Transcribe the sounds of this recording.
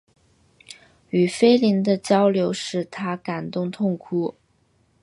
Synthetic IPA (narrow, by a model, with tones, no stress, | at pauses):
y˨˩fe˥ɪli˧˥nd̪ə˧t͡ɕjɑ˥ʊljo˧˥ʊʂɻ̩˥˩t̪ʰa˥ka˨˩nt̪ʊ˥˧ŋt̪ʰʊ˥˩ŋkʰu˧˩